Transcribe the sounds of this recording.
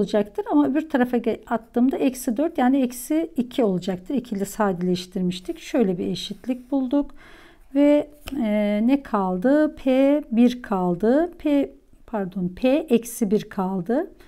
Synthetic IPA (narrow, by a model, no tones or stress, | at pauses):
lˠd͡ʒakt̪ʰɯɾamaøbiɾt̪ʰaɾafaat̪lːˠɯːmd̪aɛcsid̪øɾt̪jaːniɛcsiːcʰio̞lˠud͡ʒak̚t̪ʰɯɾicʰilʲɛsaːd̪ilʲɛʃt̪ʰiɾmiʃt̪ʰicʃø̞jlʲɛbieʃit̪lʲic̚bulˠd̪uk | vɛ | nɛkʰalˠd̪ɯpʰeːbiɾkʰalˠd̪ɯpʰe | pʰæɾd̪o̞npʰeʔɛcsibiɾkʰalˠd̪ɯ